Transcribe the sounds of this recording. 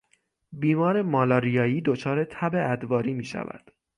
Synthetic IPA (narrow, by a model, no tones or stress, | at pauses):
biːmɒːɾe̞mɒːlɒːɾijɒːjiːd̪ot͡ʃʰɒːɾe̞t̪ʰæbe̞æd̪vɒːɾiːmiːʃæ̰væ̰d̪̥